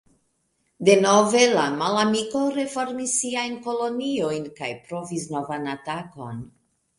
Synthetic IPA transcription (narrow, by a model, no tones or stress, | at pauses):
de̞no̞ve̞lamalamiko̞ɾe̞fo̞ɾmisːiajnko̞lo̞nio̞jnka̰jpɾo̞vis̬no̞vanatako̞̰n